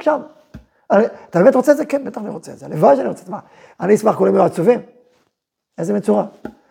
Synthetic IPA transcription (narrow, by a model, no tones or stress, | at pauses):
ʃam | aniat̪abemet̪ʁot͡sezekɛnbet̪aχaniʁot͡seḛz̥elevadʃaniʁot͡se̥smaχ | aniismaχkulimjoat͡suvim | ezemet͡suʁa